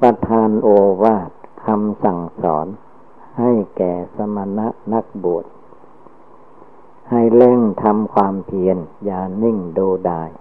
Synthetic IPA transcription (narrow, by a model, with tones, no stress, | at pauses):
pɾa˧t̪ʰaː˧nʔoː˧waː˧˥˩t̪̚kʰa˧msa˨˩ŋsɔ̰ː˩˦n | ha˥˩jkɛː˨˩sa˧ma˧na˦˥ʔna˦˥˩k̚bu˨˩ət̪̚ | ha˧˩jle˥˩ŋt̪ʰa˧mkʰwaː˧mt̪ʰi˧ənjaː˨˩ni˥˩ŋduː˧daː˧j